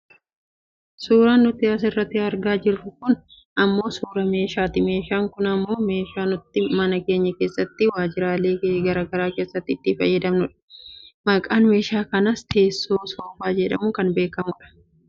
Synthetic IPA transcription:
suːɾaːnːʊt̪ɪɐs̬ɪrːɐt̪ːɪɐɾɡaːd͡ʒɪrːʊkʊn | ɐmːo̞ːsuːɾɐme̞ːʃaːt̪ɪme̞ːʃaːŋkʊnɐmːo̞ːme̞ːʃaːnʊt̪ːɪmɐnɐke̞ːɲːɐke̞ːsːɐt̪ːɪwaːd͡ʒɪɾaːleːɡɐɾaːɡɐɾaːke̞ːsːɐt̪ːɪt̪ːɪfɐ̰jːɐd̪ɐmnʊᶑɐ̥mɐkʼaːnme̞ːʃaːkɐnɐst̪ʰe̞ːsːoːsoːfaːd͡ʒɛᶑɐ̰mʊkɐnbe̞ːkɐmʊᶑɐ̥

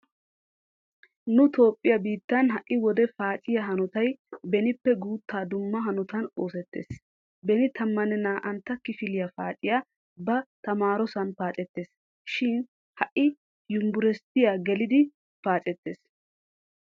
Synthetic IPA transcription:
nʊt̪o̞ːpʼːɪjɐbiːt̪ːɐnɦɐʔːɪwɔd̪ɛfaːt͡ʃʼɪjɐɦɐnɔt̪ɐjbɛnɪpːɛɡuːt̪ːaːd̪ʊmːɐɦɐnʊt̪ɐno̞ːsɛt̪ːḛːs | bɛnɪt̪ʰɐmːɐnɛnaːʔɐnt̪ːɐkːɪfɪlɪjɐfa̰ːt͡ʃʼɪja | bɐt̪ɐmaːɾɔsɐnpaːt͡ʃʼɛt̪ːeːs | ʃɪn | hɐʔɪ | jʊmbʊɾɛst̪ɪjaːɡɛlɪd̪ɪ | paːt͡ʃʼɛt̪ːe̞ːs

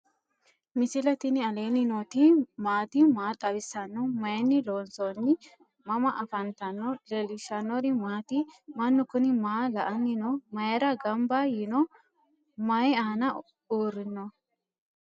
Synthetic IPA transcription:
mɪsɪlɐt̪ɪnɪɐle̞ːnːɪnot̪imaːt̪imaːt̪ʼɐbɪsːɐnːɔmɐjɛnːɪloːnsonːɪ | mɐmɐʔɐfɐnt̪ɐnːɔlɛlɪʃɐnːɔɾɪmaːt̪imɐnːʊkʊnɪmaːlɐʔɐnːɪnɔmɐjɛɾɐɡɐmbajɪnɔ | mɐjaːnɐ | uːɾɪnːɔ

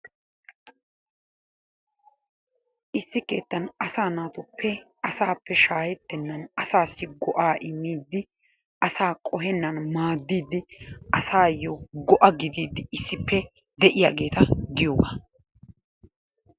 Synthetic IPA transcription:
ʔɪsːɪke̞̰ːt̪ːɐnɐsaːnaːt̪ʊpːɛ | ɐsaːpːɛʃaːjɛt̪ːɛnːɐnɐsaːsːɪɡɔʔaːʔɪmːiːd̪ːɪ | ʔɐsaːkʼɔɦɛnːɐnmaːd̪ːiːd̪ːɪʔɐsaːjːɔɡɔʔɐɡɪd̪iːd̪ːɪɪsːɪpːɛ | d̪ɛʔɪjaːɡe̞ːt̪ɐɡɪjoːɡa̰

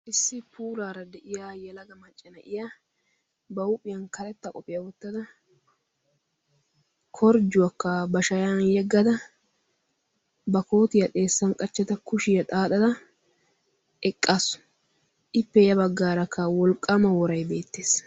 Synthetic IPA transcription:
ʔɪsːɪpʰuːlaːɾɐd̪ɛʔɪjaːjɛlɐɡɐmɐt͡ʃʼːɐnɐʔɪja | bɐwʊpʼːɪjɐnkɐlɛt̪ːɐkʼɔpʼːɪjɐwɔt̪ːɐd̪ɐ | kʰɔɾd͡ʒʊwɐkːɐbɐʃɐjaːnjɛɡːɐd̪ɐ | bɐko̞ːt̪ɪjɐt̪ʼe̞ːsːɐnkʼɐt͡ʃːɛt̪ɐkʊʃɪjɐt̪ʼaːt̪ɐd̪ɐ | ʔɛkʼːaːsʊ̥ | ʔɪpːɛjɐbɐɡːaːɾɐkːɐwɔlkʼːamɐwɔɾɐjbe̞ːt̪ːe̞ːs

